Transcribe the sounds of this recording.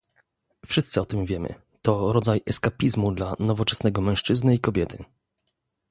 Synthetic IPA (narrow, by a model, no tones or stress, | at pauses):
fʂɘst̪sɘɔt̪ɘmvʲjɛmɘ̰ | t̪ɔɾɔd̪zajɛskapʲizmud̪lanɔvɔt͡ʂɛ̥snɛɡɔmɛ̃w̃ʂt͡ʂɘznɘikɔbʲjɛt̪ʰɘ